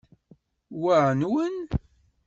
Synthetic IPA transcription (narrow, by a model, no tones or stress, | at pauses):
waʕnwən